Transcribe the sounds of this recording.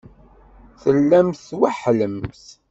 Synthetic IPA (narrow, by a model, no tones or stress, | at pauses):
θəlːæmθwaħləmθ